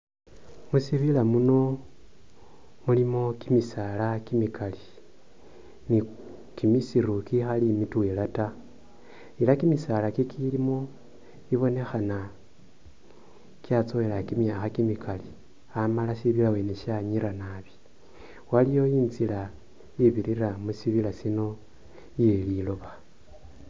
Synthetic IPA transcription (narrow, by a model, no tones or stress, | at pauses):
musiβilamuno̞ | mulimo̞kimisalakimikali | ni | kimisiɾukixalimitwelata | ilakimisalakikʰilimo̞ | iβo̞ne̞xana | kiat͡so̞elakimjaːxakimikali | amalasiβilawe̞neʃaɲiɾanaβi̥ | walijo̞jiːnzila | jiβiɾiramusiβilasino̞ | jelilo̞βa